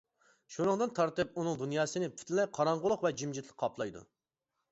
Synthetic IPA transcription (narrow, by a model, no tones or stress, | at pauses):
ʃuɾɨŋd̪ɨnt̪ʰɑɾt̪ɨp̚unɨŋd̪unjɑːsɨnɪpʰy̥t̪ʰlɪlɛqʰɑɾɑɴʁʊlˠʊqvɛd͡ʒimd͡ʒit̪ʰlˠɪk̚ʰːɑpʰlˠɑjd̪ṵ